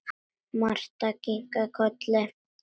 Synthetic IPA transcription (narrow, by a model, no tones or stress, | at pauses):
maɾt̪akikakʰote